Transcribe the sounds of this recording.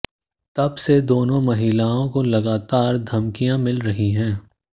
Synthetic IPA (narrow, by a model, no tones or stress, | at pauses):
t̪ɐbsed̪oːnõmɐɦiːlaːõkolɐɡaːt̪aːɾd̪ʱɐmkijãmɪlɾɐɦiɦɛ̃ː